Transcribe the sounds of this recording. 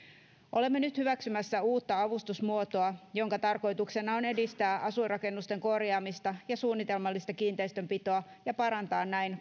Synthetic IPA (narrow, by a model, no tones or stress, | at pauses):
ʔo̞le̞mːenyt̪hyʋæksymæsːæuːt̪ːɑɑʋust̪usmuot̪o̞ɑjo̞ŋkɑt̪ɑrko̞jt̪ukse̞nɑone̞dist̪æːʔɑsurɑke̞nːust̪e̞ŋko̞rjɑːmist̪ɑjɑsuːnːit̪e̞lmɑlːist̪ɑkiːnt̪e̞ist̪ø̞mpit̪o̞ɑ | jɑpɑɾɑnt̪ɑːnnæin